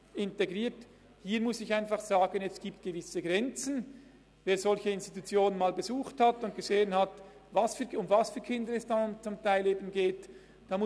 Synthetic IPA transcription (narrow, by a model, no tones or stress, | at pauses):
ɪnteɡʁiːt | hiːɾmʊsɪçaɪnfɑχz̥aːɡənɛstɡ̥iːp̚t̚ɡ̥əvɪsəɡʁɛnt͡sn̩ | veːɾzɔlçəɪnsti̥tut͡sjoːnənmaːlbezuːχthatʊntɡ̥əzeːənhat | vasfyːɐʊmvasfyːkʰɪndəɾɛsd̥aʊmt͡sʊmtʰaɪleːbnɡeːt | d̥aːmʊ